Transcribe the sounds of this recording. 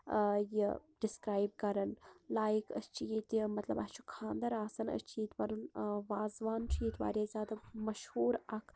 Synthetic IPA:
jiɖɪskɾaːjb̚kɐɾɐnlaːjikɐ̰st͡ʃʰijit̪mɐt̪lɐ̰bast͡ʃʰu̥kʰãːnd̪ɐɾaːsɐnɐ̰st͡ʃʰiːt̪ʋɐɾunʋaːzʋaːnt͡ʃʰit̪ʋa̰ːɾjazʲjaːd̪amɐʃhuːɾɐkʰ

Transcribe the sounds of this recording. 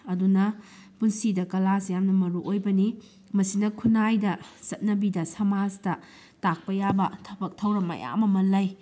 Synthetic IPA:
ɐdunɐpunsidɐkɐlasjamnɐmɐɾuʔojbɐni | mɐsinɐkʰunajdɐt͡ʃɐt̚nɐbidɐsɐmastɐ | tak̚pɐjabɐtʰɐbɐk̚tʰɐwɾɐmːɐ̰ja̰mɐmɐlɐj

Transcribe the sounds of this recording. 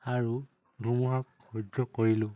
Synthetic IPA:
aɹu | ɡʱumuɦakː | ɔd͡ʒzɔkoɹilʊ̃

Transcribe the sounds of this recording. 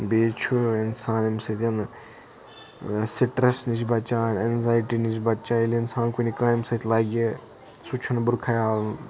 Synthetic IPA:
beːt͡ʃʰuɪnsaːnimsɐt̪ʲjɐn | siʈɾɐsnit͡ʃbɐt͡ʃaːnenzaːjʈiːnit͡ʃbɐtt͡ʃaːnilɪnsaːnkunikãːimsɐt̪ʰʲlaːɡʲe | sut͡ʃʰunbʊɾkʰɐjaːln

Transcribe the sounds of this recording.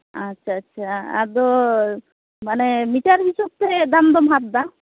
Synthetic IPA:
atːʃʰaːʃʰaa̰d̪ɔ | manɛmiʈaɾɦisɔb̚t̪ɛd̪amd̪ɔmɦat̪̚d̪a

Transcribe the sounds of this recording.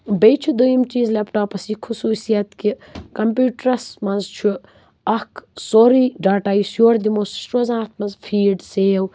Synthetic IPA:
bejt͡ʃʰud̪ujimt͡ʃiːzlɛpʈaːpɐsikʰusuːsijɐt̪kikɐmpjuːʈɾɐsmɐzt͡ʃʰu | ɐksoɾiːɖaːʈaːjsjoːɾd̪imoːssɾoːzãːt̪ʰmɐzfʰiːɖseːw

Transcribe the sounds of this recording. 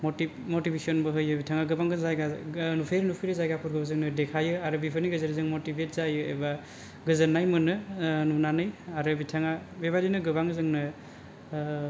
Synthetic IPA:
moti | motibesiɔnbɯɦɯjɯbitʰaŋaɡɯbaŋɡɯzajɡanupʰeɾɯnupʰiɾɯzajɡapʰuɾɡɯbɯzɯŋnɯdekʰajɯaɾɯbipʰɯniɡɯzaɾizɯŋmotibʱet̚zajɯḛba | ɡɯzɯnːajmɯnɯnunanɯjaɾɯbitʰaŋabeβadinɯɡɯbaŋɯzɯŋnɯ

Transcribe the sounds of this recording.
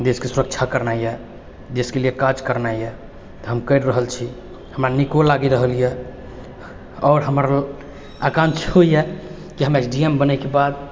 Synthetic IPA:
d̪eskesuɾək̚t͡ʃʰakəɾnajjɛ | d͡ʒeskelijekad͡ʒkəɾnajɛ | t̪ɔɦəmkəɾɾəɦəlt͡ʃʰi | həmɾanikolaɡiɾəɦəlijɛ | ɔːɾɦəmɾ | akãnt͡ʃʰɦoijɛ | kiɦəmesɖiembənɛkebad̪̚

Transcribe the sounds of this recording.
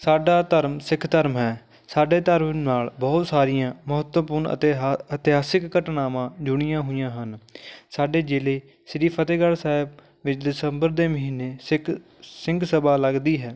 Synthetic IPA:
saːɖaːt̪əɾmsɪkʰt̪əɾmɦɛː | saːɖeːt̪əɾmnaːlbɔːt̪saːɾɪjãːməɦət̪ʋpʊɾɳə̰ət̪ɪɦaːsɪkːəʈnaːmãːd͡ʒʊɽ̃ɪjãːɦʊːɪjãːɦənsaːɖeːd͡ʒɪleː | sɪɾiːpʰət̪eːɡəɽsaːɪb | ʋɪt͡ʃd̪ɪsəmbəɾd̪eːməɦiːnːeːs | sɪŋɡsəbaːləɡd̪iːɦɛː

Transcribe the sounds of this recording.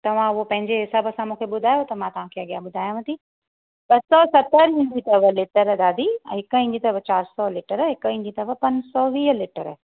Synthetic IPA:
t̪ɐʋ̤ãʊɦopɐ̃ɦɪ̃ɲd͡ʑeɦɪsabəsãmũːkʰeɓʊd̪ʱaːjot̪ɐmãt̪ɐʋ̤ãkʰeɐɠijaɓʊd̪ʱaːjãʋə̃t̪ʰi | ɓɐsɔsɐt̪əɾɦĩɲd͡ʑit̪ɐʋəlɪʈəɾd̪aːd̪ʱĩɦɪkəɦĩːɲd͡ʑit̪ɐʋət͡ɕaːɾsɔlɪʈəɾɦɪkəɦɪ̃ɲd͡ʑit̪ɐʋəpɐnsɔʋiːɦəlɪʈəɾ

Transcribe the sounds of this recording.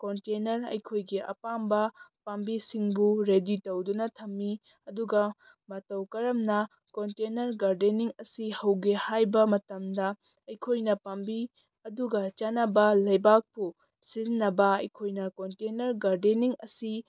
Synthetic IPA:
kontenɐɾɐ̰jkʰojɡiʔɐ̰pambɐpambisiŋbuɾeditowdunɐtʰɐmːi | ɐduɡɐ | mɐtɐwkɐɾɐmnɐ | kontenɐɾɡaɾdeniŋɐsihɐwɡehajbɐmɐtɐmdɐ | ɐjkʰojnɐpambi | ɐduɡɐt͡ʃanɐbɐlɐjbak̚pu | siznːɐbɐɐjkʰojnɐkontenɐɾɡaɾdeniŋɐsi

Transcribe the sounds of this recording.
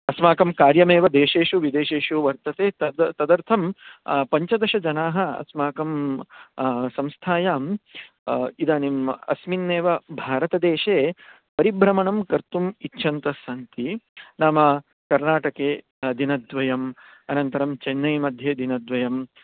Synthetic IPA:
ɐsmaːkɐmkaːɾjɐmeːʋɐd̪eːʃeːʃuʋid̪eːʃeːʂuʋɐɾt̪ɐt̪eːt̪ɐt̪ɐd̪ɐɾt̪ʰɐmpɐɲt͡ʃɐd̪ɐʃɐd͡ʒɐnaːɦɐ̆ɐ̰smaːkɐm | sɐmst̪ʰaːjaːm | id̪aːnimɐ̰sminːeːʋɐbʱaːɾɐt̪ɐd̪eːʃeː | pɐɾibɾɐmɐɳɐmkɐɾt̪umitːʃʰɐnt̪ɐsaːnt̪inaːmɐ | kɐɾnaːʈɐkeː | d̪inɐd̪ʋɐjɐm | ɐnɐnt̪ɐɾɐmt͡ʃɐnːɐjmɐd̪ʱjeːd̪inɐd̪ʋɐjɐm

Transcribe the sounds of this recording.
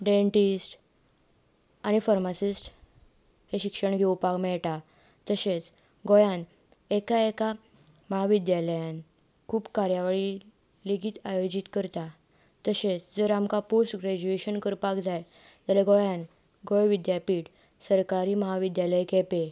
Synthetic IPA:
ɖẽɳʈisʈ | aɽ̃ifaɾmasisʈ | heɕikʂəɳɡʱewpakmɛɭʈa | t̪əset͡s | ɡɔjan | ekaeka | məɦaʋid̪jaləjãn | kʰuːpkaɾjaʋaɭi | leɡiːt̪ajod͡ʑit̪kəɾt̪a | t̪əset͡sd͡zəɾamkaposʈɡɾɛd͡ʑueɕənkəɾpakd͡zaj | d͡zaleɡojãn | ɡɔjʋid̪japiːʈ | səɾkaɾiːməɦaʋid̪jaləjkʰɛpe

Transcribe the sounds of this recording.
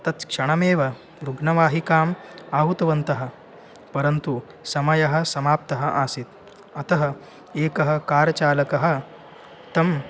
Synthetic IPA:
t̪ɐt͡s̪kʂɐɽ̃ɐmeːʋɐ | ɾuɡɳɐʋaːɦikaːmaːɦut̪ɐʋɐnt̪ɐɦɐ̆ | pɐɾɐnt̪u | sɐmɐjɐɦɐ̆sɐmaːp̚t̪ɐɦɐ̆ʔaːsit̪ | ɐt̪ɐɦɐ | eːkɐɦɐkaːɾt͡ʃaːlɐkɐɦɐ̆ | t̪ɐm

